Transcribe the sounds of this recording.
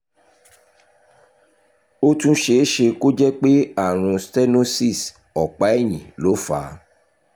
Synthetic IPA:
o˦tũ˦ʃe˨˦ʃe˧ko˦d͡ʒɛ˦k͡pe˦a˦˨ɾ̃ũ˧stɛ˦no˦si˦˨s | ɔ˨k͡pa˨˦ɛ˦˨j̃ĩ˨lo˨˦fa˨˦

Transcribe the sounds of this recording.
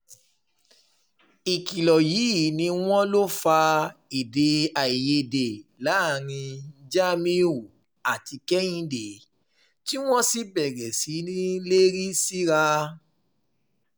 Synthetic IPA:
i˨ki˨lɔ˨ji˨˦˨nĩ˧w̃ɔ̃˦lo˦fa˧i˨de˨a˨i˨je˧˨de˨la˨˦˨ɾĩ˧˦d͡ʒa˦mĩ˦u˦˨ | a˨ti˧kɛ˦j̃ĩ˧de˨ | ti˦w̃ɔ̃˦si˦bɛ˨ɾɛ˨si˨˦nĩ˦le˦ɾi˦si˦ɾa˧

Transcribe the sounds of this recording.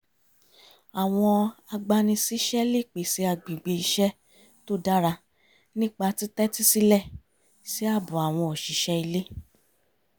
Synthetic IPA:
a˨w̃ɔ̃˧a˧ɡ͡ba˧nĩ˧si˦ʃɛ˦le˦˨k͡pe˨si˨˧˦a˧˨ɡ͡bĩ˨ɡ͡be˧i˧ʃɛ˦ | to˦da˦ɾa˧ | nĩ˦k͡pa˧ti˨˦tɛ˦ti˦si˦lɛ˦˨ | si˨˦a˦˨bɔ̃˨a˨w̃ɔ̃˧ɔ˨ʃi˨˦ʃɛ˦i˧le˦

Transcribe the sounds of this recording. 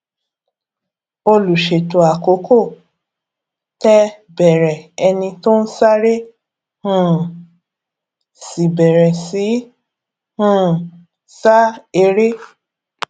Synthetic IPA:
o˧lu˨ʃe˨to˨a˨ko˨˦kʰo˦˨ | tɛ˦ | bɛ˨ɾɛ˨ɛ˧nĩ˧to˦n̩˦sa˦ɾe˦ | hũ˦˨ | si˨bɛ˨ɾɛ˨si˨˦ | hũ˦˨ | sa˦e˧ɾe˦

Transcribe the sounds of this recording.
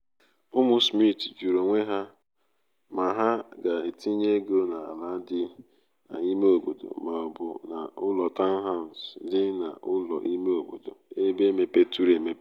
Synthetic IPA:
ʊ˦mʊ˦smi˦˨td͡ʒu˨ɾo˨ŋʷe˦ɦa˦ | ma˨ɦa˦ɡa˨e˨ti˦ɲe˦ɡo˦na˨a̰˨la˦dɪ˦ | a̰˨i˦me˦o˨bo̰˨do̰˨ma˨ɔ˨bʊ˨na˨ʊ˦lɔ˨ta˦n˦ɦa˦˨n̩˨sdɪ˦na̰˨ʔʊ˦lɔ̰˨ʔi˦me˦o˨ɡ͡bo̰˨do˨e˦be˦me˨pe˦tu˦ɾe˨me˨˦

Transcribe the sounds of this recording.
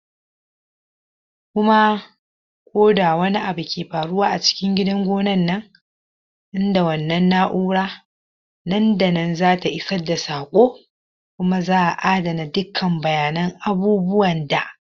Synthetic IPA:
kʷʊ˦ma˦ | kʷʰʼoː˦da˨wɐ˦ni˦ʔa˨bu˨kʲʰeː˨ɸaː˨ɽʊ˦waː˦ʔa˨t͡ʃɪ̥˦kʲɪ˦ŋɡʲɪ˦dɐ˦ŋɡʷoː˦nɐ˦nːɐ˦ŋ | ʔɪ˦nda˨wɐ˨nːɐ˦nːa˦ʔuː˦ɽaː˦ | nɐ˦nda˨nɐ˦nzaː˦ta˨ʔɪ˦sɐ˦dːa˨saː˨kʷʼoː˦ | kʷʊ˦ma˦zaː˦ʔa˨ʔaː˦dɐ˨na˨dʊ˦kʰːɐ˨mbɐ˨jaː˨nɐ˦ŋʔa˦buː˦bʊ˦wɐ˨nda˨ʔ

